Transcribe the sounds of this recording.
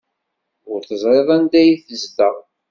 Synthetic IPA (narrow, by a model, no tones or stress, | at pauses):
ʊɾθəzˤɾeðˤænd̪æjiθəzθəʁ